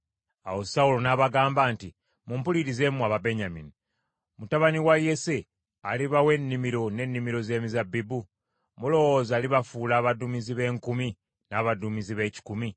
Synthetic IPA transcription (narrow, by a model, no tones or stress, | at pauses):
a̰wo̞saulonaβaɡaːmbaːnti | mumpuliɾize̞muaβabe̞ɲamḭni | mutaβaniwaje̞se̞ | aliβawe̞nːimiɾo̞ne̞nːimiɾo̞ze̞ːmizabibu | mulo̞wo̞ːzaːliβafulaːβadumiziβe̞ːŋkumi | naβadumiziβe̞ːci̥kumi